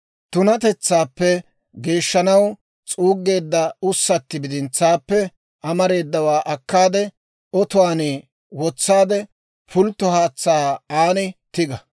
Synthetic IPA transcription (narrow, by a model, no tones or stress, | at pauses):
t̪ʊnɐt̪ɛt͡sːaːpːɛ | ɡe̞ːʃːɐnɐw | t͡sʼuːɡːe̞ːd̪ːɐʊsːɐt̪ːɪbɪd̪ɪnt͡sːaːpːɛ | ʔɐmɐɾe̞ːd̪ːɐwaːʔɐkːaːd̪ɛ | ɔt̪ʊwaːneː | wɔt͡sːaːd̪ɛ | pʊlt̪ːɔhaːt͡sːaːaːnɪt̪ɪɡɐ